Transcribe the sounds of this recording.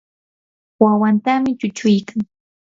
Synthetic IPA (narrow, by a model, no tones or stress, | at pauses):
wawant̪amɪt͡ʃʊt͡ʃʊjkaŋ